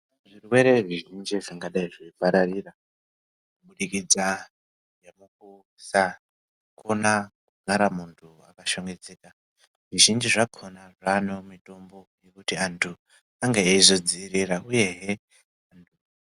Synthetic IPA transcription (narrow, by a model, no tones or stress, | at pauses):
ʐirwe̞ɾe̞ʐiʒind͡ʒiʐaŋɡaɗaiʐiipaɾariːra | uɓuɗikid͡za | jamuk̚u | sa | kʰo̞nakuɡʱaɾamuntʰuakaʃoŋɡe̞d͡zeːka | ʐiʒind͡ʒiʐakʰonaʐano̞mito̞mbo̞je̞kutiantʰu | aŋɡeːizo̞d͡ziɾirauje̞ɦe | antʰu